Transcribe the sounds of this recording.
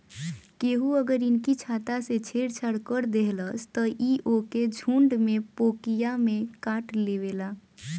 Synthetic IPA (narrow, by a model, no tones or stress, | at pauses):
keɦuəɡəɾinkit͡ʃʰat̪aset͡ʃʰeɽt͡ʃʰəɽkəɾd̪eɦləst̪əʔiʔoked͡ʒʱuɳɖmepokijamekaʈleβela